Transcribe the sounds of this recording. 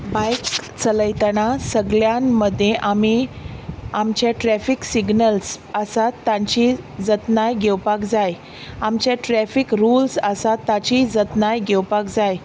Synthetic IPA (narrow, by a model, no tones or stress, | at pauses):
bajkt͡sələjt̪ənasəɡɭjãnːəd̪ʱːjẽʔami | amt͡ɕjaʈɾɛfiksiɡnəlsəsat̪ːãɲt͡ɕid͡zət̪najɡʱewpakd͡zaj | amt͡ɕjaʈɾɛfikɾulsəsat̪ːat͡ɕid͡zət̪najɡewpakd͡zaj